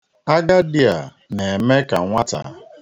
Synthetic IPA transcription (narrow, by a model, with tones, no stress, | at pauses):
a˦ɡa˦dɪ˦a˨ | ne˨me˦ka̰˨ŋʷa˦ta̰˨˦